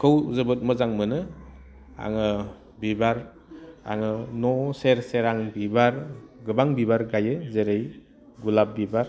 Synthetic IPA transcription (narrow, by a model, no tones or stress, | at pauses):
kʰɯwzɯbɯt̚mɯzaŋmɯnɯ | a̰ŋɯ | bibaɾ | a̰ŋɯnɔseɾseɾaŋbibaɾɡɯbaŋbibaɾɡajɯzeɾej | ɡulap̚bibaɾ